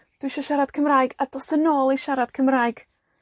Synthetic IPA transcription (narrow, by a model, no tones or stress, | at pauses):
d̥wiʃɔʃaɾad̥̚kʰəmraːjɡad̥ɔsənoːlˠiʃaɾad̥̚kʰəmraːɨɡ̥